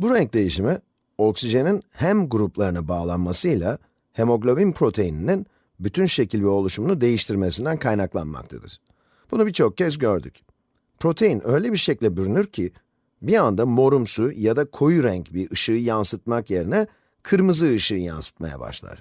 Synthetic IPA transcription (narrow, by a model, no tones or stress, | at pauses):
buɾæɲc̚d̪e̞jiʃimi | o̞ksiʒe̞ninhæmɡuɾuplˠaɾɯnabaːlˠanmasɯjlˠa | he̞mo̞ɡlʲo̞binpʰɾo̞t̪ʰe̞jininin | byt̪ʰynʃe̞cʰilʲvɛo̞lˠuʃumunud̪e̞jiʃt̪ʰiɾmesind̪ænkʰajnaklˠa̰nma̰k̚t̪ʰa̰d̪ɯ̰ɾ̥ | b̥unubit͡ʃʰo̞k̚cʰɛz̬ɟø̞ɾd̪y̰c | pʰɾo̞t̪ʰe̞jinʔø̞jlʲebiɾʃeclʲɛbyɾynyɾcʰi | biand̪amo̞ɾumsujad̪akʰo̞juɾæɲcbiɾʔɯʃɯɯjansɯt̪̚makje̞ɾinɛ | kʰɯɾmɯzɯːʃɯːja̰nsɯ̥t̪̚ma̰ja̰ba̰ʃlˠa̰ɾ̥